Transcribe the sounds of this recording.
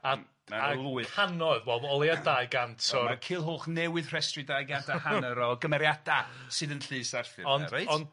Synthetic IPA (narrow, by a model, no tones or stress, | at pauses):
a | maaɔlˠuːɨanɔɨðwɛlˠɔlˠeadajɡantʰɔmakʰɨːlˠɦoːχnɛwɨðr̥ɛstrɨdaːjɡantʰahanəɾɔɡəmɛɾjad̥a | sɨðənɬɨːsarfɨɔnejɔn